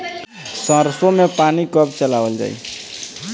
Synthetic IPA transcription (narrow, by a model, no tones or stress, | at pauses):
sʌ̃ɾsomepanikʌbt͡ʃəlawəld͡ʒa̰j